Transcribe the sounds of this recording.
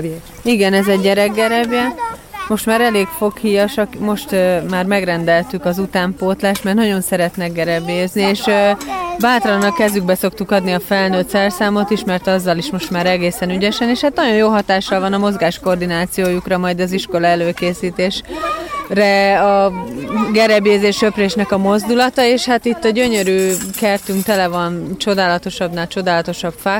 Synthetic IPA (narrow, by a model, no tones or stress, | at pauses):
iɡɛnɛzɛɟːɛɾɛɡ̚ɡɛɾɛbjɛmo̞ʃt̪maːɾɛleːkfo̞khiːjɒʃɒkmo̞ʃt̪ːmaːrmɛɡrɛnd̪ɛlt̪ykɒzut̪aːmpoːt̪laːʃt̪mɛrt̪nɒɟo̞nsɛɾɛt̪nɛɡɡɛɾɛbeznieːʃ | baːt̪lɒnɒkɛzyɡ̚bɛso̞kt̪ukɒd̪niɒfɛlnøːt̪sɛrsaːmo̞t̪iʃmɛrt̪ɒzːɒliʃmo̞ʃt̪maːɾɛɡeːsɛnyɟɛʃɛneːʃhaːt̪nɒɟo̞joːɦɒt̪aːʃːɒlvɒnɒmo̞zɡaːʃko̞rd̪inaːt̪sijoːjukrɒmɒjd̪ɒziʃko̞lɒɛløːkeːsiːt̪eːʃ | rɛɒ | ɡɛɾɛbeːzeːʃø̞preːʃnɛkɒmo̞zd̪ulɒt̪ɒeːʃhat̪it̪ːɒɟø̞ɲø̞ɾyːkɛrt̪yŋkt̪ɛlɛvɒnt͡ʃo̞d̪aːlɒt̪o̞ʃɒbnaːt͡ʃo̞d̪aːlɒt̪o̞ʃɒpfak